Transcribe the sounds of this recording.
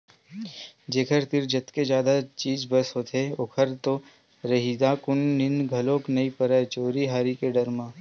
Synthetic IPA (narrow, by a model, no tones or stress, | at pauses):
d͡ʒeːkʰəɾt̪ɪɾd͡ʒɐt̪ked͡ʒjaːd̪at͡ʃiːd͡ʒbɐsɦoːt̪ʰeoːkʰəɾt̪o | ɾɐɦiːd̪aːkʊnːɪnɡʱɐlõːknɐipəɾat͡ʃoːɾiɦaːɾikeɖɐɾmãː